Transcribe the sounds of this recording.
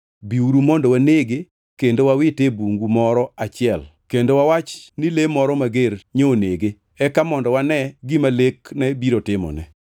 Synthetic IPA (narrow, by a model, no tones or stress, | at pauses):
biuɾumɔndowaneɡe | kendowawɪtebuŋɡumɔɾɔat͡ʃɪɛlkendowawat͡ʃnɪlemɔɾɔmaɡeɾɲoneɡe | ɛkamɔndɔwanɛɡimaleknɛbiɾotɪmɔ̰nɛ̰